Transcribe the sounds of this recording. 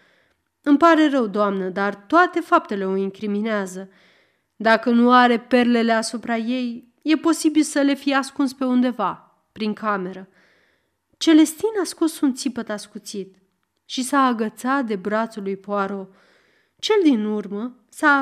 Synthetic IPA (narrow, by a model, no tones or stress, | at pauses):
ɨmpaɾe̞ɾəwd̪oamnəd̪art̪oat̪e̞fap̚t̪e̞le̞oiŋkɾimineazə | d̪akənuaɾe̞pe̞rle̞le̞asupɾaje̞j | je̞po̞sibilsəle̞fijeaskunspe̞und̪e̞va | pɾiŋkame̞ɾə | t͡ʃe̞le̞st̪inasko̞sunt̪sipət̪askut̪sit̪ | ʃisaːɡət̪sat̪̚d̪e̞bɾat̪sulujpoaɾo̞ | t͡ʃe̞ld̪inurmə | sa